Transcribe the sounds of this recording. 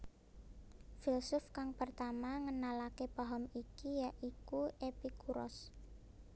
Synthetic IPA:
filsʊfkaŋpərt̪amaŋənalakepaɦɔmikijaʔikuʔepikuɾɔ̰s

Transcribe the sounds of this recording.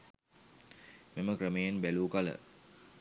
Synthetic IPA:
meməkrəmejenbæluːkalə̰

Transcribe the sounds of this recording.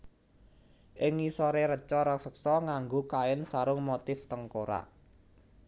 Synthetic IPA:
ʔɪŋisɔɾeɾət͡ʃɔɾɔksəksɔŋaŋɡokaɪnsaɾʊŋmot̪ɪft̪əŋkoɾa̰

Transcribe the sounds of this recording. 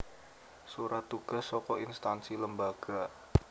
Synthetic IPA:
suɾat̪ːuɡ̥a̤sːɔkɔinst̪ansiləmbaɡ̥a

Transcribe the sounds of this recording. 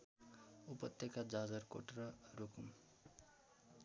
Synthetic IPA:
upʌt̪jʌkad͡zad͡zʌrko̰ʈrʌrokum

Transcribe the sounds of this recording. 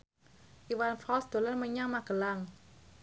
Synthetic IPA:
ʔiwanfɔlsd̪̥o̤lanməɲaŋmaɡ̥ə̤laŋ

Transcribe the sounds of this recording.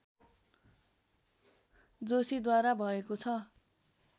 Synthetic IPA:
d͡zosid̪waɾabʱʌekot͡sʰʌ

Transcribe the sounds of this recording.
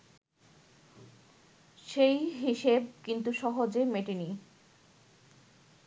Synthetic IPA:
ʃejɦiʃeb̚kint̪uʃɔɦod͡ʑemeʈini

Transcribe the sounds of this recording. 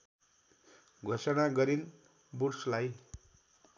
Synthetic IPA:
ɡʱosʌnaɡʌɾin | burslaj

